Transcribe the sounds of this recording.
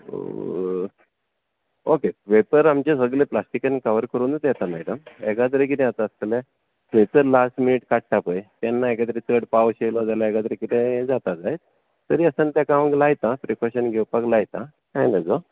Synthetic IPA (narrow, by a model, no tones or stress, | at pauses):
okepepəɾamt͡ɕesəɡleplasʈikənkəʋəɾkəɾuːnt̪jɛt̪amɛɖəmɛkat̪̬əɾekit̪ẽat̪aəskɛla | tẽt͡səlasʈminiʈkaʈ̚ʈʰapəjt̪anːaekat̪̬əɾet͡səɽpawɕejlɔd͡zalaekat̪əɾekit̪ẽd͡zat̪ad͡zajt̪̚ | t̪əɾiːəsənt̪jakaʋə̃ɡlajt̪ãpɾikaɕənɡʱɛwpaklajt̪ã | kajləd͡zo